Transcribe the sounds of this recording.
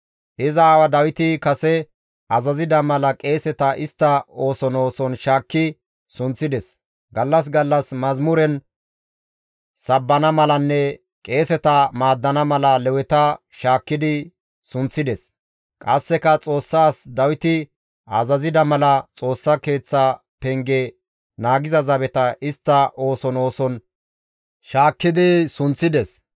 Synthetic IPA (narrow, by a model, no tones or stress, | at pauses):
ʔɪzɐːwɐd̪ɐwɪt̪ɪkɐsɛ | ʔɐzɐzɪd̪ɐmɐlɐkʼe̞ːsɛt̪ɐʔɪst̪ːɐo̞ːsɔno̞ːsɔnʃaːkːɪ | sʊnt͡sːɪd̪ɛs | ɡɐlːɐs̬ɡɐlːɐsmɐzmʊɾɛn | sɐbːɐnɐmɐlɐnːɛ | kʼe̞ːsɛt̪ɐmaːd̪ːɐnɐmɐlɐlɛwɛt̪ɐ | ʃaːkːɪd̪ɪ | sʊnt͡sːɪd̪ɛs | kʼɐsːɛkɐt͡sʼo̞ːsːaːsd̪ɐwɪt̪ɪ | ɐzɐzɪd̪ɐmɐlɐt͡sʼo̞ːsːɐke̞ːt͡sːa | pɛŋɡɛ | naːɡɪzɐzɐbɛt̪ɐʔɪst̪ːɐʔo̞ːsɔno̞ːsɔn | ʃaːkːɪd̪ɪsʊnt͡sːɪd̪ɛs